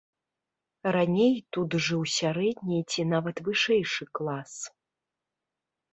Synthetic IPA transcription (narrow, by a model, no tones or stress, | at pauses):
ɾanʲejt̪ut̪ʐɨwsʲaɾɛd̪ʲnʲit͡sʲinavɐt̪vɨʂɛjʂɨklˠas